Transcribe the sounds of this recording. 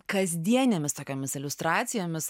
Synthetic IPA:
kɐzʲd̪ʲiɛnʲemʲɪst̪oːkʲoːmʲɪsɪlʲʊst̪ɾɑːt̪sʲɪjoːmʲɪs

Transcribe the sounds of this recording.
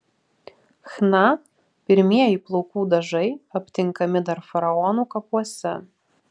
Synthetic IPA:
xnɑ | pʲɪɾʲmʲiɛjiplˠowkuːd̪ɐʒɐɪɐpʲt̪ʲɪŋkɐmʲɪd̪ɐɾfɐɾɐɔnuːkɐpuɔsʲɛ

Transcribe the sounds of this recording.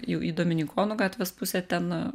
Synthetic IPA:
jɛʊʔiːd̪oːmʲɪnʲɪkʰoːnuɡɑːt̪ʲʋʲeːspʊsʲɛːt̪ʲɛn

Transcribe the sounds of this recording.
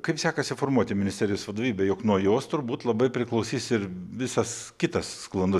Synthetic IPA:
kɐɪpsʲæːkɐsʲɪfoːɾmuɔt̪ʲɪmʲɪnʲɪsʲt̪ʲɛɾʲɪjoːsʋɐd̪oːʋʲiːbʲɛjoːknuɔjoːst̪ʊɾbuːt̪lˠɐbɐɪpʲɾʲɪklˠɐʊsʲiːsɪɾʋʲɪsɐskʲɪt̪ɐssklˠɐnd̪ʊ

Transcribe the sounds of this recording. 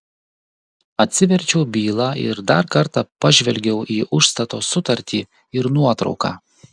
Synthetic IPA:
ɐt̪ʲsʲɪʋʲɛɾʲt͡ʃʲɛʊbʲiːlˠɑːɪ̰ɾd̪ɐɾkɐɾt̪ɑpɐʒʲʋʲɛlʲɡʲɛʊʔiːʔʊʃst̪ɐt̪oːsʊt̪ɐɾʲt̪ʲiː | ɪɾnuɔt̪ɾɒ̰ʊkɑ̰ː

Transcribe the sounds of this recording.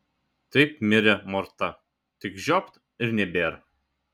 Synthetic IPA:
t̪ɐɪpmʲɪɾʲɛmɔɾt̪ɐ | t̪ʲɪkʒʲɔpt̪ | ɪɾnʲɛbʲeːɾ

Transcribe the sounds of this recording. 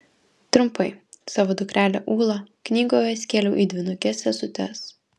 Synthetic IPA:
t̪ɾʊmpɐɪsɑːʋoːd̪ʊkɾʲæːlʲɛʔuːlˠɐknʲiːɡoːjɛsʲkʲeːlʲɛʊʔiːd̪ʲʋʲɪnʊkʲɛsʲɛsʊt̪ʲɛs

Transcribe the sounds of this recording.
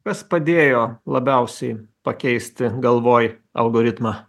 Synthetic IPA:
kɐspɐd̪ʲeːjoːlˠɐbʲɛˑʊsʲɛɪpɐkʲɛɪsʲt̪ʲɪɡɐlˠʋoːj | ɐ̰lˠɡoːɾʲɪt̪mɑː

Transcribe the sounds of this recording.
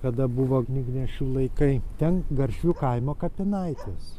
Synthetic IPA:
kɐd̪ɐbʊʋoːɡnʲiɡnʲɛʃʲuːlˠɐɪkɐɪt̪ʲɛnɡɐɾʲʃʲʋʲukɐɪmoːkɐpʲɪnɐɪt̪ʲeːs

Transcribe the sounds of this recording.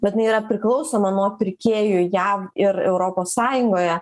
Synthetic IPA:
bʲɛt̪ʲɪnɐɪiːɾɐpʲɾʲɪklˠɒʊsoːmɐnuɔpʲɪɾʲkʲeːjʊjæːʋɪɾɛ̰ʊɾoːpoːssɑːjʊŋɡoːjɛ

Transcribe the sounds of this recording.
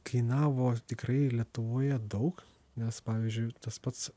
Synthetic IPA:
kʰɐɪnɑːʋoːt̪ʲɪkrɐɪlʲiɛt̪ʊʋoːjɛd̪ɐʊk | nʲɛspɑːʋʲiːzʲd͡ʒʲʊɪt̪ɐspɐt̪s

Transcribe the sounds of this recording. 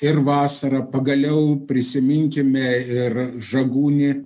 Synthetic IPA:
ɪrʋɑːsɐɾɐpɐɡɐlʲɛʊpʲɾʲɪsʲɪmʲɪŋʲkʲɪmʲɛɪrʒɐɡuːnʲɪ

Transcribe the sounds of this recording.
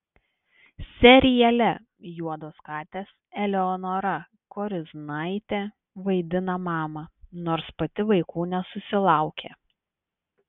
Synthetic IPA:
sʲɛɾʲɪjɛlʲɛ | juɔd̪oːskɑːt̪ʲeːsɛlʲɛɔnoːɾɐ | koːɾʲɪznɐɪt̪ʲe | ʋɐɪd̪ʲɪnɐmɑːmɐnoːɾspɐt̪ʲɪʋɐɪkuːnʲɛsʊsʲɪlˠɑˑʊkʲeː

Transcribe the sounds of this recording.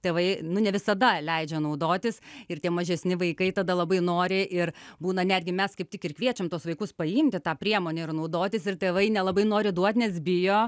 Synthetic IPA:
t̪ʲeːʋɐɪnʊnʲɛʋʲɪsɐd̪ɐlʲɛɪd͡ʒʲɛnɐʊd̪oːt̪ʲɪsɪrt̪ʲiɛmɐʒʲɛsʲnʲɪʋɐɪkɐɪt̪ɐd̪ɐlˠɐbɐɪnoːɾʲɪʔɪrbuːnɐnʲæːd̪ʲɡʲɪmʲɛskɐɪpt̪ʲɪkɪɾkʋʲiɛt͡ʃʲɛmt̪uɔsʋɐɪkʊspɐɪmʲt̪ʲɪt̪ɑːpʲɾʲiɛmoːnʲɛɪrnɐʊd̪oːt̪ʲɪsɪrtʲeːʋɐɪnʲɛlˠɐbɐɪnoːɾʲɪd̪uɔt̪ʲnʲɛs̬bʲɪjoː

